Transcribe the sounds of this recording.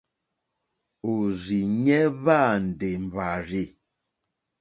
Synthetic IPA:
o˨zi˨ɲɛ˦βa˦˨n̩˨de˨m˨ba˨ɾi˦˨

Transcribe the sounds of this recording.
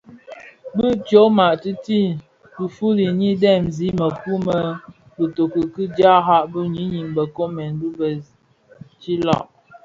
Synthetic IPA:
bə˦tjo˨˦ma˨ʔti˦ti˦ | bu˨fu˦li˨ɲi˦dɛ˦˨mzi˨˦mə˨ku˦mə˦ | bə˨to˨kə˨kɨ˦d͡ʒja˦ɦa˦ʔbu˦ɲi˦ɲi˨ŋbə˨ko˦mɛ˨nbu˦bə˨ | t͡ʃi˦lɔ̰˦˨ʔ

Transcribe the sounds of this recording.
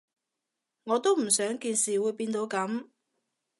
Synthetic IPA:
ŋɔː˨˧t̪o˥wm̩˨˩sœː˨˥ŋkiː˧nsiː˨wuː˨˧˥jpiː˧nt̪o˨˧wkɐ˨˥m

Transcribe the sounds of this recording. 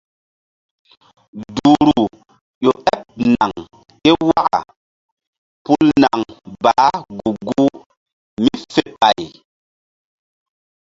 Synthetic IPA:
du˨ɾu˨ | ɗo˨ʔɛ˦p̚na˨ŋ | ke˦wa˦ʔa̰˨ | pu˦lna˨ŋbaː˨˦ɡu˨ɡu˦ | mi˦fe˦ɓa˨j

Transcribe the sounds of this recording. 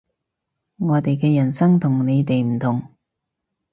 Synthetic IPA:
ŋɔː˨˧t̪e˨jkɛː˧jɐ˨˩nsɐ˥ŋt̪ʰʊ˨˩ŋne˨˧jt̪e˨jm̩˨˩t̪ʰʊ˨˩ŋ

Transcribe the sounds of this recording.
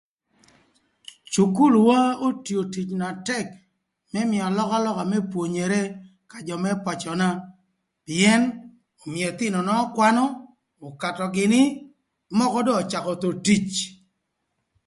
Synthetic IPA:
t͡ʃu˨ku˦lwa˦o˦tjo˨ti˨t͡ʃna˨tɛ˦k | mɛ˦mɪ˨ɔ˨lɔ˦ka˦lɔ˦ka˨mɛ˦pwo˨ɲe˨ɾe˦ | ka˨d͡ʒɔ˨mɛ˦pɔ˨t͡ʃɔ˨na˦ | pɪ˨ɛ˦n | ɔ˨mɪ˨ɛ˨t̪ɪ˦nɔ˨nɔ˦kwa˦nɔ˦ | ɔ˨ka˨tɔ˨ɡɪ˨nɪ˦ | mɔ˦kɔ˦dɔː˦˨t͡ʃa˨kɔ˨t̪o˨ti˦t͡ʃ

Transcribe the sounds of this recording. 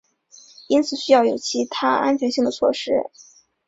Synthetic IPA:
i˥nt͡sʰɹ̩˨˩ɕy˥jɑ˥˩ʊjo˨˩ʊt͡ɕʰi˧˥t̪ʰa˥ʔa̰˥nt͡ɕʰɥɛ˧˥nɕi˥˩ŋd̪ə˩t͡sʰwɔ̰˥˩ʂɻ̩˥

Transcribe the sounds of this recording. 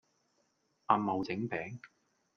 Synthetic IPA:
ʔaː˧mmːɐ˨wt͡sɪ˨˥ŋpɛː˨˥ŋ

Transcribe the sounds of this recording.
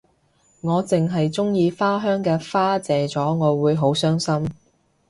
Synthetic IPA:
ŋɔː˨˧t͡sɪ˨ŋɦɐ˨jt͡sʊ˥ŋjiː˧faː˥ɦœː˥ŋkɛː˧faː˥t͡sɛː˨˧t͡sɔː˨˥ŋɔː˨˧wuː˨˧jɦo˨˥wsœː˥ŋsɐ˥m

